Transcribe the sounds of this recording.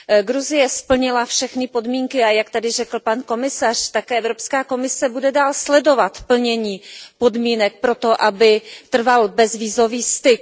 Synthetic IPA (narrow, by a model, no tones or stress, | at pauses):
ɡɾuzɪjɛspl̩ɲɪlafʃɛxnɪpo̞dmiːŋkɪajakt̪adɪrɛkl̩panko̞mɪsar̝̥t̪akɛːʔɛvɾo̞pskaːko̞mɪsɛbudɛdaːlslɛdo̞vat̪pl̩ɲɛɲiːpo̞dmiːnɛk̚pɾo̞t̪o̞ʔabɪt̪r̩valbɛzviːzo̞viːst̪ɪk̚